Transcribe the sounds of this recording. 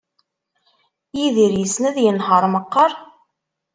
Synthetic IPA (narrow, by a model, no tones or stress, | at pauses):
jiðiɾjəsnæðjənɦəɾˤməqːəɾˤ